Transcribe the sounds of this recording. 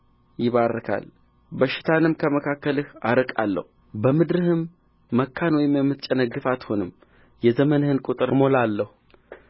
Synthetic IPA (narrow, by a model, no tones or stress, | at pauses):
jɪβarːəkʰa̰l | bəʃɪ̥t̪ʰanɨmkʰəməkʰakːəlɨhaɾɨkʼa̰lːə̰hu | bəmɨd̪ɾɨhɨmː | əkʰːanwɔjɪmjɛmːɨt̪t͡ʃʼːənəɡːɨfat̪ho̞nɨm | jɛzəmənhɨnkʼut̪ʼɨɾɨmo̞lalːəhu